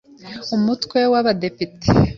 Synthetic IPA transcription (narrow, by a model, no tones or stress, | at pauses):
umutwe̞waβade̞pite̥